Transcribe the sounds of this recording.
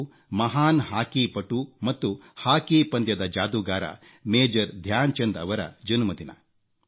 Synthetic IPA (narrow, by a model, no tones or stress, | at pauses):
mɐɦaːnɦaːkipɐʈumɐt̪ːuhaːkipɐnd̪jɐd̪ɐd͡ʒaːd̪uɡaːɾɐ̰ | meːd͡ʒɐɾd̪ʱjaːnt͡ʃɐnd̪ɐ̰ʋɐɾɐ̰d͡ʒɐnumɐd̪inɐ̰